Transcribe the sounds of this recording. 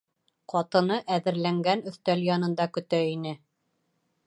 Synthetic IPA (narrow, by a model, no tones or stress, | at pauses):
qɒt̪ɤ̆nɤʔæðɘ̆ɾlæŋɡænɵ̆θt̪æljɑnɤ̆nd̪ɑkɵ̆t̪æinɘ